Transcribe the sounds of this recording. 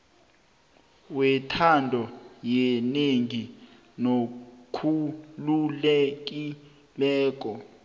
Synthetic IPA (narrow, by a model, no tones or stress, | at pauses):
wɛtʰandʱɔjɛneŋi | nokʰululɛk̬ʼi | lɛːk̬ʼɔ